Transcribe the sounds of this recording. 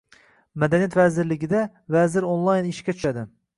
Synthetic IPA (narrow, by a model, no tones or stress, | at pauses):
mɛd̪ɛnijɛt̪vɛzɪɾlɪɡʲɪd̪ɛ | vɛzɪɾonlˠɑjniʃkʲɛt͡ʃ̪ʰy̥ʃɛd̪ɪ